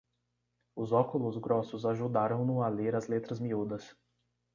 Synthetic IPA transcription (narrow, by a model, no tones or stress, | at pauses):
ʊzɔkʊlʊzɡɾɔsʊzaʒud̪aɾɐ̃w̃nʊaleɾɐzlet̪ɾɐzmiud̪ɐs